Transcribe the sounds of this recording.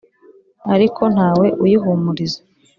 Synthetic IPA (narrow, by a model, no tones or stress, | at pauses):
aɾikʰo̞n̥haːwe̞ʔujiɦumuɾize